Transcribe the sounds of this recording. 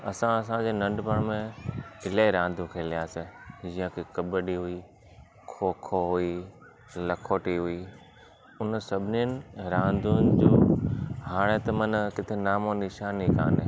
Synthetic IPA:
ɐsãɐs̬ãd͡ʑeːnɐ̃ɳɖpəɽ̃mẽɪleɾãːnd̪ʱũkʰeːlijaːsed͡ʑĩjə̃kʰekɐbəɗiɦʊi | kʰoːkʰoɦʊi | lɐkʰoːʈiɦʊiː | ʊnsɐbʱɪniənɪ̆ɾãːnd̪ʱʊnɪd͡ʑoːhaːɽ̃et̪ɐmɐnkɪt̪ʰenaːmonɪʃaːnĩkã̰ːne

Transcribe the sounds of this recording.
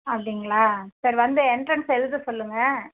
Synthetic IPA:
ɐpːɐɽɪŋɡɐɭaːsɐɾʋɐnd̪ɯɛɳʈɾɐnsɛlɯd̪ɯsɔlːɯŋɡɐ

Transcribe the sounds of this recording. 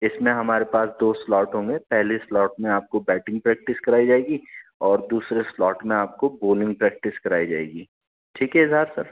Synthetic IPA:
ɪsmẽɦɐmaːɾepaːsd̪oːslɔːʈɦõmŋɡepɛɦleslɔːʈmẽaːp̚kobɛːʈɪ̃ŋɡ̚pɾɛːk̚ʈɪskɐɾaːid͡ʒaːeːɡiːɔːɾd̪uːsɾeslɔːʈmẽaːp̚koboːlɪ̃ŋɡ̚pɾɛːk̚ʈɪskɐɾaːid͡ʒa̰ːḛːɡiː | ʈʰiːkɦɛɪzʱɦaːɾsɐɾ

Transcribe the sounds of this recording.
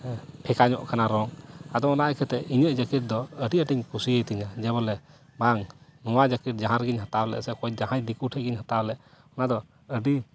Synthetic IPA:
pʰɛkaɲɔ̰ʔkʰanaɾɔŋad̪ɔɔnakʰɛt̪ɛiɲəʔd͡ʒəkiʈ̚d̪ɔəɖiəʈiɲkusijəjt̪iɲad͡ʒɛβɔlɛ | baŋnɔwad͡ʒəkiʈ̚d͡ʒaɦãɾɡiɲɦat̪awlɛ̰ʔsɛkɔjd͡ʒaɦajd̪ikuʈʰɛɡiɲhat̪ablɛʔ | ɔnad̪ɔ | əɖi

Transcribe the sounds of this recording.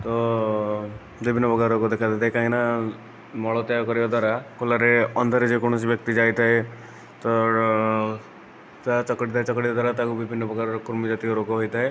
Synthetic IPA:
t̪ɔ | bibʱinːɔbɔɡaɾɾɔkɔd̪ekʰajt̪et̪ʰaekãɦĩna | mɔɭɔt̪ɔjakɔɾibad̪waɾakʰolaɾeɔnd̪ʱaɾed͡ʒekɔɽ̃ɔs̬ibjk̚t̪id͡ʒajt̪ʰae | t̪ɔ | tat͡ʃɔkɽit̪ʰajt͡ʃɔkɽibad̪aɾat̪akubibʱinːɔbɔɡaɾɔɾkuɾmid͡ʒat̪ikɔɾoɡɔɦɔjt̪ae

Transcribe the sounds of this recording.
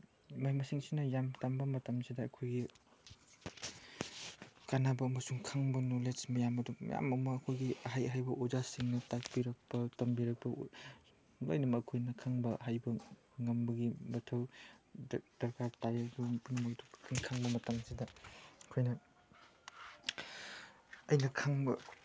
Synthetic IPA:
majmɐsiŋsinɐjamtambɐmɐtɐmsidɐɐkʰojɡi | kanabɐːmɐsuŋkʰaŋbɐnolesmɐjamɐdṵja̰mɐmɐːkʰojɡiɐɦajɦajbɐʔozasiŋnɐtak̚piɾɐk̚pɐtɐmbiɾɐk̚pɐ | lo̰jnɐmɐːkʰojnɐkʰaŋbɐɦajbɐ | ŋɐmbɐɡimɐtʰɐw | d̥ɐɾkaɾtajadupunɐmojtʰo̥kʰiŋkʰaŋbɐmɐtaŋsidɐɐkʰojnɐ | ɐjnɐkʰaŋbɐ

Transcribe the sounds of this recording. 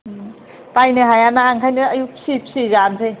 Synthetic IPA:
pajnɯɦajanaːŋkʰajnɯəjusipsizansʰej

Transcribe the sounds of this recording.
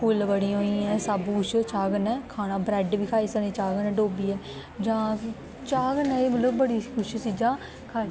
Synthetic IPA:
pʊlbəɽiːɦoːiːɛ̃ːsaːbuːʃt͡ʃaːɡənɛːkʰaːnãːbɾɛːɖʋiːkʰaːiːsənẽːt͡ʃaːɡənɛ̃ːɖoːbiːɛː | d͡ʒãː | t͡ʃaːɡənɛ̃ːeːmət̪ləbbəɽiːkʰʊʃsiːd͡ʒãː | kʰaː

